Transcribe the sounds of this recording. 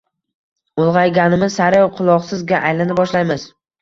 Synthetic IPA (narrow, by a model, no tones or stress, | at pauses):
olˠʁɑjɡʲanɪmɪzsaɾjɒwqʰʊlˠɒqsɪzɡʲaʔajlanɪbɒʃlajmɪz̥